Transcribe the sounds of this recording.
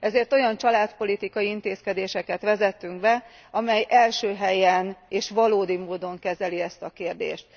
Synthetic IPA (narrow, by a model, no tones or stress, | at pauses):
ɛzeːrt̪o̞jɒnt͡ʃɒlaːt̪po̞lit̪ikɒjiint̪eːskɛd̪eːʃɛkɛt̪ʋɛzɛt̪ːyŋɡ̚bɛ | ɒmɛjʔɛlʃøːɦɛjɛneːʃʋɒloːd̪imoːd̪o̞ŋkɛzɛliɛst̪ɒkeːrd̪ḛːʃt̪